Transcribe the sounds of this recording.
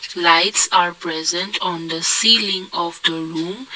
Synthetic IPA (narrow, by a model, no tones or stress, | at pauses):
laɪtsaɹpɹɛzə̃ntʰɔ̃nd̪əsiːlĩŋɔvd̪əɹũm